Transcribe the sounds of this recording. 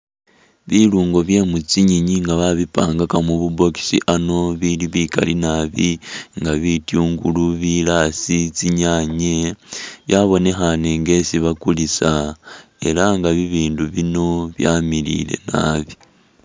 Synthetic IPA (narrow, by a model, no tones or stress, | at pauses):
βiluːŋɡo̞βje̞ːmut͡siɲiɲiŋɡaβaβipaːŋɡakamuβubo̞ki̥siʔano̞βiliβika̰linaβiŋɡaβitjuːŋɡuluβilasit͡siɲaɲeβjaβo̞ne̞xaneŋɡe̞siβakulisae̞̰laŋɡaβiβiːnduβino̞βjamilḭle̞̰na̰βi